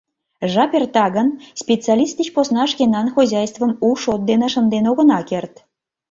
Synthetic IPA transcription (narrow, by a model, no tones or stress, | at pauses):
ʒɑpʲert̪ɑɣənspʲet͡sɑlʲist̪it͡ɕposnɑʃkʲenɑnxozʲɑjst̪və̆muʃot̪̚d̪enə̆ʃə̆nd̪enoɣə̆nɑkert̪